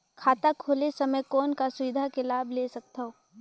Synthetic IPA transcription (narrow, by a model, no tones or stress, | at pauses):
kʰaːt̪akʰoːlesɐməjkɔːnkasʊʋɪd̪ʱakelaːbʱleːsɐk̚t̪aɦoː